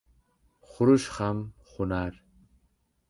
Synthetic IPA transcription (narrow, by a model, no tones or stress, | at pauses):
χʊɾuʃχamχunaɾ